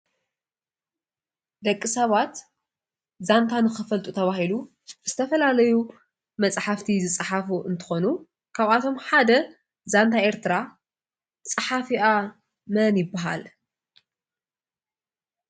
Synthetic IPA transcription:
d̪ɐkʼːisɐβat̪ | zant̪ʰanɨxɨfɐlt̪ʼut̪ʰɐβahilu | zɨt̪ʰɐfɐlalɐju | mɐt͡sʼħaft̪ʰizɨt͡sʼħafuʔɨnt̪ʰɨ̥xo̞nu | kʰaβat̪ʰo̞mħad̪ɐ | zant̪ʰaʔe̞ɾt̪ʰɨɾa | t͡sʼɨħafiʔa | mɐnjɪbːaɦa̰l

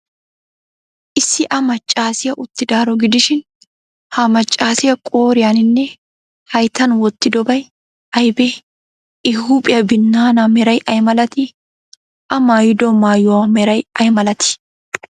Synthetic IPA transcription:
ʔɪsːɪʔɐmɐt͡ʃʼːaːsɪjɐʔʊt̪ːɪd̪aːɾɔɡɪd̪ɪʃɪn | hɐmɐt͡ʃʼːaːsɪjɐkʼo̞ːɾɪjanɪnːɛ | hɐjt̪ːɐnwɔt̪ːɪd̪ɔbɐj | ɐjbɛ | ʔɪhuːpʼɪjɐbɪnːaːnɐmɛɾɐjʔɐjmɐlɐt̪ɪ | ʔɐmaːjɪd̪ɔmaːjɔwamɛɾɐjɐjmɐlɐt̪ɪ̥

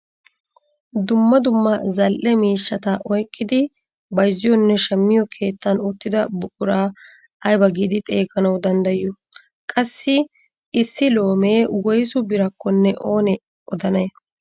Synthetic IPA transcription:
d̪ʊmːɐd̪ʊmːɐzɐlʔɛmiːʃːɐt̪ɐʔɔjkʼːɪd̪ɪ | bɐjzːɪjɔnːɛʃɐmːɪjɔkʰe̞ːt̪ːɐnʊt̪ːɪd̪ɐbʊkʼʊɾaː | ɐjbɐɡid̪ɪt̪ʼe̞ːɡɐnɐwd̪ɐnd̪ɐjɪjɔ | kʼɐsːɪ | ɪsːɪlo̞ːme̞ːwɔjsʊbɪɾɐkːɔnːɛʔoːnɛ | ʔɔd̪ɐnɐ

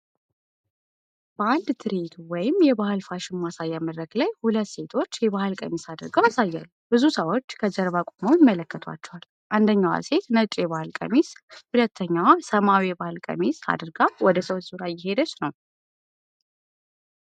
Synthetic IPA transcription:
b̥əand̪t̪ʰɨɾit̪wɔjɪmjɛbahɨlfaʃɪmːasajːaməd̪ɾəɡlajhulət̪ːse̞t̪ʰo̞t͡ʃːjɛβahɨlkʼəmesad̪ɨɾɡajasajːa̰lːub̥ɨzusəwo̞t͡ʃːkʰəd͡ʒəɾβakʷʼomojɪmːələkːət̪ʰwa̰t͡ʃːɛwal | ʔand̪əɲːawa̰se̞t̪nət͡ʃʼjɛβahɨlkʼə̰meshulət̪ʰːəɲːawsəmawijɛbahɨlkʼə̰mesa̰d̪ɾɡawɔd̪əsəwt͡ʃz̥uɾajɪɦe̞d̪ət͡ʃnəw

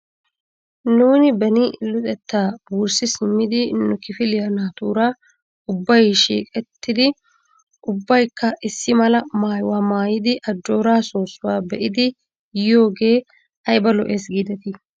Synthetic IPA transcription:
nuːnɪbɛnɪlʊt̪ʼɛt̪ːaːbuːɾsɪsɪmːɪd̪ɪnːʊkɪfɪlɪjɐnaːt̪uːɾa | ʊbːɐjʃḭːkʼɛt̪ːɪd̪ɪ | ʔʊbːɐjkːɐʔɪsːɪmɐlɐmaːjʊwaːmaːjɪd̪ɪʔɐd͡ʒːo̞ːɾaːso̞ːsːʊwaːbɛʔɪd̪ɪ | jo̞ːɡe̞ː | ɐjbɐlɔʔe̞ːsɡiːd̪ɛt̪ɪ

